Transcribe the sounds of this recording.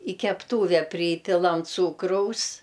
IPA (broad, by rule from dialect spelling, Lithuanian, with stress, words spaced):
ɪ kʲɛpˈtuːʋʲɛ ˈpʲrʲiːpʲɪlˠɐm ˈt͡suːkrɐʊs